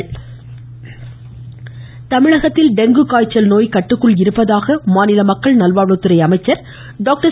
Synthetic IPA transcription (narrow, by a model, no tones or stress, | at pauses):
t̪ɐmɪɻɐɣɐt̪ːɪlɖɛŋɡɯkaːjt͡ʃːɐlnoːjkɐʈːɯkːɯɭɪɾɯpːɐðaːɣɐmaːnɪlɐmɐkːɐɭnɐlʋaːɻɯt̪ːɯɾɐɪɐmɐɪt͡ʃːɐɾ | ɖoːk̚ʈɐ